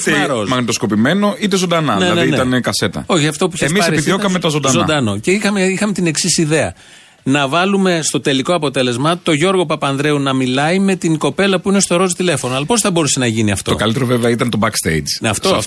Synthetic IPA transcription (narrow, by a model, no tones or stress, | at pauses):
ɾosmɐknit̪osko̞pime̞no̞it̪e̞zond̪ɐnɐðnelɐneðiiet̪ɐnekɐse̞t̪ɐ̰oçiɐft̪o̞puiçesmisɐeɾiðiokɐmet̪ɐzod̪zond̪ɐno̞ceixɐmeixɐme̞t̪ine̞ksisiðe̞ɐ | nɐvɐlume̞st̪o̞t̪e̞liko̞ɐpo̞t̪e̞le̞zmɐt̪o̞ʝo̞ɾɣo̞pɐpɐnðɾeunɐmilɐime̞t̪iŋko̞pe̞lɐpuine̞st̪o̞ɾo̞zt̪ile̞fo̞noɐlɐpo̞sθɐbo̞ɾuse̞nɐʝiniɐ̰ft̪ookɐlit̪eɾoveveɐit̪ɐnt̪o̞bɐkst̪ḛjd͡ʒɐft̪of